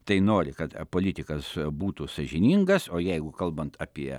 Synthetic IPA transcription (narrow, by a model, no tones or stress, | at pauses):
t̪ɐɪnoːɾʲɪkɐt̪poːlʲɪt̪ʲɪkɐsbuːt̪usɐʒʲɪnʲiŋɡɐsoːjɛɪɡʊkɐlˠbɐnt̪ɐːpʲiɛ